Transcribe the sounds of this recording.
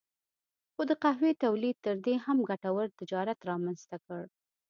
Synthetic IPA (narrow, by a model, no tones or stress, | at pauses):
xod̪əqaɦwet̪awlid̪̚t̪əɾd̪eɦamɡaʈawəɾt̪ɪd͡ʒɑɾat̪ɾɑmanst̪akəɽ